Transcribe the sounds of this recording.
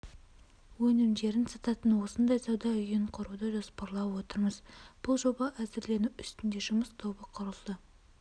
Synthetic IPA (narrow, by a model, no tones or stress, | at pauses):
wɵnɪmd̪e̞ɾɪnsɑt̪ɑt̪ənwo̞sənd̪ɑjsɑwd̪ɑʏjɪɴqʰʊɾud̪əʒo̞spɑɾlˠɑpwo̞t̪əɾməzb̥ʊlˠʒo̞bɑʔæzɪɾle̞nuwʏst̪ɪnd̪e̞ʒʊməst̪ʰo̞bəqʰʊɾəlˠd̪ə